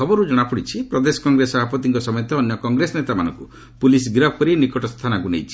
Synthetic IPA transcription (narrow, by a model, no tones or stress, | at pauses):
ɔbɔɾud͡ʒɔɽ̃apuɽit͡ʃʰipɾɔd̪esɔ̥kɔŋɡɾesɔbʱapɔt̪̬iŋkɔsɔmɔjɔt̪ɔːnjɔkɔŋɡɾesɔnet̪ama̰nɔ̰ŋku | pulisɡɾap̚ʰkɔɾinikɔʈɔst̪ʰanaɡunḛjt͡ʃʰi̥